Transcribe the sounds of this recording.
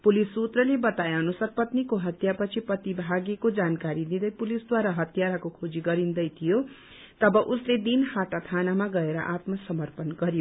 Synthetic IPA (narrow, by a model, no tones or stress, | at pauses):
pulisut̪rʌlebʌt̪aeʌnusʌrpʌt̪nikoɦʌt̪japʌt͡sʰiprʌt̪ibʱaɡekod͡zankaɾid̪id̪ʌjpulisd̪waɾaɦʌt̪jaɾakokʰod͡ziɡʌɾind̪ʌjt̪ʰijo | t̪ʌbʌʔusled̪inhaʈat̪ʰanamaɡʌeɾʌʔat̪mʌsʌmʌrpʌnɡʌɾijo